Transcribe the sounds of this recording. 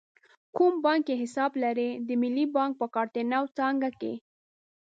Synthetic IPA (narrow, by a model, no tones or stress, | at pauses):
kumbɑŋkjeɦɪsɑblaɾed̪əmɪlːibɑŋk̚pəkɑɾt̪enawt͡sɑŋɡakḛ